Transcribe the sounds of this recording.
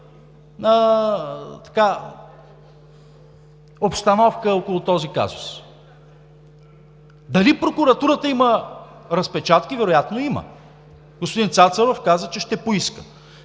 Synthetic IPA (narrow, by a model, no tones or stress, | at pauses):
nə | t̪ɐ̥ka | opst̪ɐnɔfkəokolˠʊt̪ɔzika̰zʊs | d̪ɐlipɾokuɾɐt̪uɾət̪əiməɾɐspɛt͡ʃat̪kivɛɾojat̪noimə̰ | ɡ̥ospod̪int̪sat̪səɾofkazət͡ʃɛʃt̪ɛpoiskə